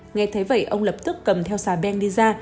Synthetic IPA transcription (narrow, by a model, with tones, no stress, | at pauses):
ŋɛ˧jt̪ʰə˨˦jvə̰˧˨jʔə˧wŋ͡mlə˨˩p̚t̪ɨ˦˥kːə˨˩mt̪ʰɛ˧wsaː˨˩ɓɛ˧nɗi˧zaː˧